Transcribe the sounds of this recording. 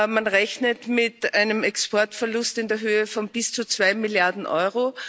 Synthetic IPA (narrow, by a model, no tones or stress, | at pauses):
manʁɛçnətmɪtaɪnəmɛkspɔɐtfɛɐlʊstɪndeːɐɦøːəfɔnb̥ɪst͡sut͡sv̥aɪmɪljaɐdn̩ʔɔ̰ʏʁo